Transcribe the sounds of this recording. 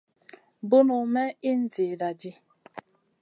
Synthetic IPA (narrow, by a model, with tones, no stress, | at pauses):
bʊ˦nʊ˨mɛ˦i˦n̩˦d͡zi˨da˨d͡ʒi˦